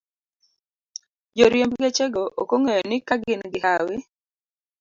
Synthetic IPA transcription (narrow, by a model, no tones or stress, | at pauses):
d͡ʒoɾjembɡet͡ʃeɡoʔokoŋejɔnɪkaɡɪnɡɪhawɪ